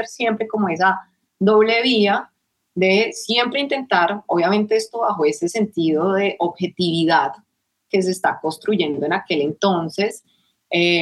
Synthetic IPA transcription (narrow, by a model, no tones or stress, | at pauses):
ɾsje̞mpɾe̞ko̞mo̞e̞s̬a | ðo̞βle̞βia | ðe̞sje̞mpɾe̞int̪e̞nt̪aɾoβjamẽ̞nt̪eest̪o̞βaxo̞e̞se̞se̞nt̪iðo̞ðe̞ʔoβxe̞t̪iβiðað | ke̞s̬e̞ːst̪akonst̪ɾuʝe̞nd̪o̞e̞nake̞le̞nt̪o̞nse̞s | e